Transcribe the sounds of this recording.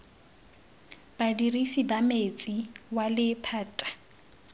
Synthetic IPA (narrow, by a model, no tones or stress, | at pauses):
b̥adirisibamet͡sʼiwalɪpʰaːtʼḁ